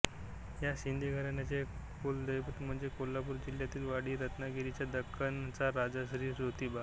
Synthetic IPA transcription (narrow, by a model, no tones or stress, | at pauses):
jaɕind̪ʱeɡʱəɾanat͡se | kold̪əjpt̪m̤əɳd͡zekolːapuːɾd͡ʑiljat̪iːlʋaɽiːɾət̪naɡiɾit͡ɕjad̪əkʰːənt͡saɾad͡zaɕɾiːɾɾot̪iːba